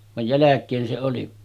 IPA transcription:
ʋɑj jælækˑeːn se oli

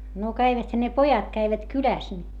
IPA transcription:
no kæiʋæthæ ne pojɑt kæiʋæt kylæs ni

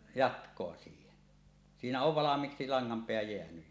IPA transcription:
jɑtkˑoɑ siːhen siːnæ oʋ ʋɑlɑmˑiːksi lɑŋːɑmpeæ jeænyj

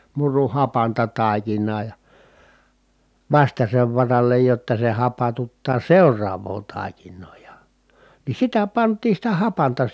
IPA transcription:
muru hɑpɑntɑ tɑˑikinˑɑː jɑ ʋɑstɑseʋ ʋɑrɑlːej jotːɑ se hɑpɑtutːɑː seurˑɑːʋˑoː tɑˑi̯kinˑoː jɑ ni sitæ pɑntˑiːn̞ sitæ hɑpɑntɑ

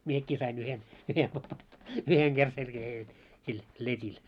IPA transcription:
miekːi sɑin yhen yhen yheŋ ɡ̊er selkæheː jot sil letʲil

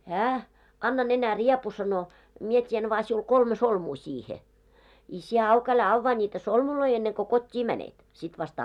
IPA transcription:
hæː ɑnːɑ nenæriepu sɑno mie tʲien ʋɑː siul kolme solmuː siːhe i sie ɑuk ælæ ɑʋːɑː nʲiːtæ solmuloi enːeŋ ko kotʲːiː mænet sit ʋɑst

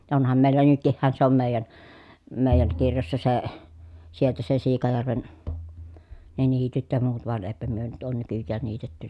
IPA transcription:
jɑ onhɑm meˑilːæ nytkihːæn se om meˑi̯jæn meˑi̯jæŋ kirjosːɑ se sieltæ se siːkɑjærʋen ne niːtyt jɑ muːt ʋoɑn eˑi̯pæ myø nyt oːn nykyjːæːn niːtetːynæ

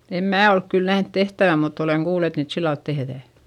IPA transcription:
em mæː olk kyl næhnt tehtæʋæ mutː oleŋ kuːl et niːt silːɑlt tehðæˑ

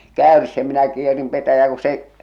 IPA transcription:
kæˑørs jɑ minæ kierim petæjæː ku se

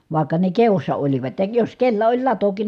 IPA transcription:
ʋɑˑi̯kːɑ ne keosːɑ oliʋɑt jɑ jos kelːæ olʲ lɑtokin

